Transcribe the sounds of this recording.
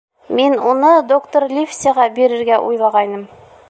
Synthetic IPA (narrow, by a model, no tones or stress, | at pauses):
minunɤd̪okt̪orlʲifsʲəʁɑbiɾɘ̆ɾɡæʔṵjlˠɑʁɑjnɤm